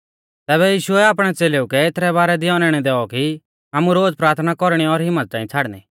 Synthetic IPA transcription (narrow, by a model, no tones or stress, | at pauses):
t̪ɛːβɛjiːʃʊɛaːp̬ɽ̃ɛt͡seːleːukɛet̪ʰɾɛβaːɾɛd̪ɪɔ̃ːnɛɽ̃ɛd̪ɛːɔki | aːmuɾoːd͡zpɾaːɾt̪ʰnakɔɾɽ̃iɔɾɦɪmːət̪̚t̪ãːĩt͡sʰaːɽnḭ